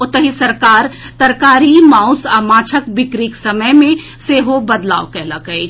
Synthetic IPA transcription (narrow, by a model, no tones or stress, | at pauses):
ot̪əɦisəɾkaːɾt̪əɾkaːɾimaʊsamaːt͡ʃʰəkbɪkɾiksəməjmẽ | seɦobəd̪la̰ːwkɛɦləkəj